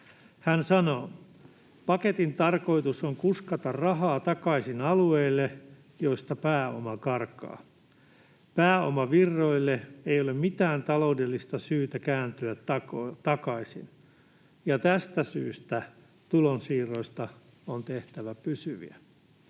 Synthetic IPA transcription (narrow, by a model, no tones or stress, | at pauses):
hænsɑnoː | pɑket̪int̪ɑrko̞it̪usoŋkuskɑt̪ɑrrɑɦɑːt̪ɑkɑisinɑlueilːe | joist̪ɑpæːo̰mɑkɑrkɑ̰ː | pæːo̰mɑʋirːoilːeeijolemmit̪æːnt̪ɑlo̞udelːist̪ɑsyːt̪ækæːnt̪yætɑt̪ɑkɑisḭn | jɑt̪æst̪æsy̰ːst̪æ | t̪ulonsiːroist̪ɑ | ont̪eht̪æʋæpysyʋḭæ